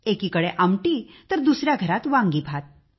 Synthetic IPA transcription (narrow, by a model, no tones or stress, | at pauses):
ekiːkəɽeʔəmʈit̪əɾd̪usɾjaɡʱəɾat̪ʋãŋɡiːbʱat̪̚